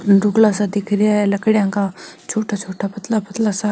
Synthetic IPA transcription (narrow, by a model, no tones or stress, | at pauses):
ɾʊɡlasad̪ɪkʰɾɪjaɦɛlɐkɽjãkat͡ʃʰoːʈʰat͡ʃʰoːʈʰapɐt̪lapɐt̪lasa